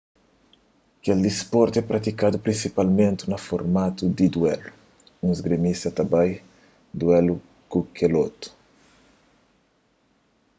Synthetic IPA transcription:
keld̪ispɔɾt̪ɛpɾɐt̪ikad̪upɾĩnsipalmẽnt̪ɪnɐfoɾmat̪ud̪id̪wɛlu | ũzɡɾemist̪ɐt̪abaj | d̪wɛlu | kukʰelot̪u̥

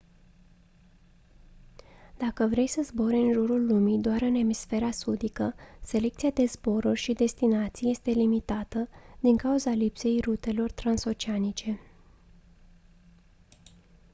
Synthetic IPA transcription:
d̪̥akəvɾe̞jsəzbo̞ɾɨnʒuɾulːumid̪oaɾɨne̞misfe̞ɾasud̪ikəse̞le̞k̚t̪siad̪e̞zbo̞ɾurʲʃid̪e̞st̪inat̪sije̞st̪e̞limit̪at̪əd̪iŋkauzalipse̞jrut̪e̞lo̞rt̪ɾanso̞t͡ʃianit͡ʃe̞

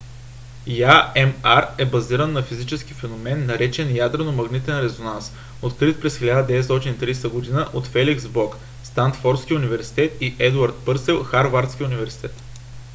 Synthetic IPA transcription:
jaɛmaɾɛbɐziɾənːɐfizit͡ʃɛsk̟ifɛnomɛnːɐɾɛt͡ʃɛnjad̪ɾɛnomɐɡnit̪ɛnɾɛzonans | ot̪kɾit̪̚pɾɛsxʲilʲad̪əd̪ɛɛt̪st̪ɔt̪init̪ɾijst̪əɡod̪inəʔot̪fɛliksbɔk | st̪ant̪fɔɾt̪skʲiʊnivɛɾsi̥t̪ɛt̪iʔɛd̪uaɾt̪̚pɤɾsɛlˠxaɾvaɾt̪sk̟ʲiʊnivɛɾsi̥t̪ɛt̪

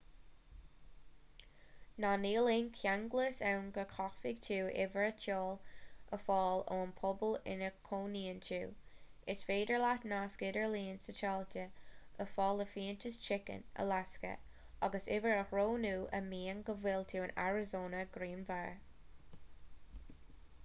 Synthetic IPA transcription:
nɑːniːlɪnkʰjaŋɡləsawnɡəkʰɑxfɪɡtʰuːʔɪ̰vəɹətʰɔːləfɑːloːnpʰɔbəlɪ̰nəkʰoːniːəntʰuːɪsfeːdəɹlatnaːskɪdəɹliːənsət͡ʃɑːltʰəəfɑːləfiːəntəst͡ʃʰɪkə̰nə̰laskə̰ | aɡəsɪvəɹəhɹoːnuːʔə̰miːəŋɡəvɪltʰuːəna̰ɹɪzoːnəɡɾiːnvaɹ

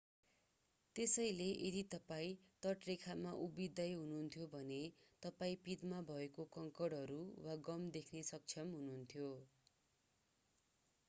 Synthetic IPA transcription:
t̪esʌjleʔed̪it̪ʌpaĩt̪ʌʈrekʰamaʔubid̪ʌjɦununt̪ʰjobʱʌnet̪ʌpaĩpid̪mabʱʌekokʌŋkʌɽɦʌɾuwaɡʌmd̪ekʰnesʌk̚t͡sʰʌmɦununt̪ʰjo

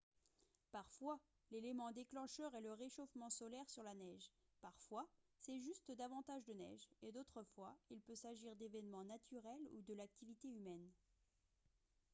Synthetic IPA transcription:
paʁfwa | lelemɑ̃d̪eklɑ̃ʃœʁɛləʁeʃofmɑ̃sɔlɛʁsyʁlanɛʒ | paʁfwa | sɛʒyst̪əd̪avɑ̃t̪aʒd̪ənɛ̰ʒed̪ot̪χəfwailpøsaʒiʁd̪evɛnmɑ̃nat̪ʰyʁɛlṵd̪əlak̚t̪ʰivit̪eymɛn

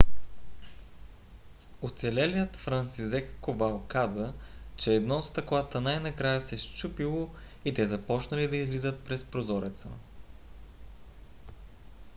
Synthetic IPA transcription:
ot̪sɛlɛlijət̪fɾɐnt̪sizɛkkobalˠkazət͡ʃɛːd̪nɔt̪st̪ɐklˠat̪ənajnɐkɾajəsɛʃt͡ʃupilˠo | it̪ɛzɐpɔt͡ʃnəlid̪ɐizlizət̪̚pɾɛspɾozɔɾɛt̪sə̰

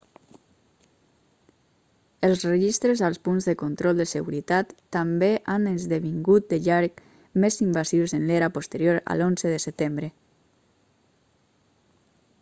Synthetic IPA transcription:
əlˠzrəʒist̪ɾəzalˠspunzðəkont̪ɾɔlˠd̪əsəɣuɾit̪at̪ːambeʔanəzðəβiŋɡut̪̚d̪əʎaɾk | mezimbasziwzeənleɾapost̪əɾjoɾa̰lonzəðəsət̪embɾə

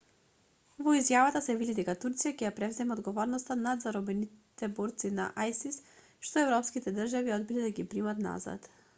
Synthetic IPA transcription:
vɔizjavat̪asɛvid̪id̪ɛkat̪uɾt̪sijacɛjapɾɛvzɛmɛod̪ɡɔvɔɾnɔst̪anad̪zaɾɔbɛnit̪ɛbɔɾt̪sina̰ʔajsis | ʃt̪ɔɛvɾɔpskit̪ɛd̪r̩ʒaviɔd̪̚bilɛd̪aɡipɾimat̪na̰za̰t̪

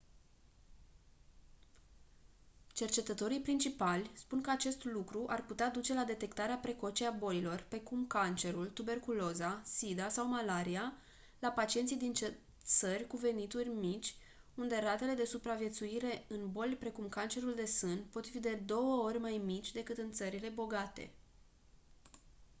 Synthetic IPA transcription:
t͡ʃe̞rt͡ʃe̞t̪ət̪o̞ɾijpɾint͡ʃipalʲspunkəat͡ʃe̞st̪lukɾuʔarput̪ead̪ut͡ʃe̞lad̪e̞t̪e̞kt̪aɾeapɾe̞ko̞t͡ʃeabo̞lilo̞rpɾe̞kumkant͡ʃe̞ɾult̪ube̞rkulo̞zasid̪asawmalaɾia | lapat͡ʃiet̪sijd̪int͡ʃe | t̪sərʲkuve̞nit̪urʲmit͡ʃʲ | und̪e̞ɾat̪e̞le̞d̪e̞supɾavje̞t̪suiɾe̞ɨnbo̞lʲpɾe̞kumkant͡ʃe̞ɾuld̪e̞sɨnpo̞t̪fid̪e̞d̪o̞wəo̞rʲmajmit͡ʃʲd̪e̞kɨt̪ɨnt̪səɾile̞bo̞ɡat̪e̞̰

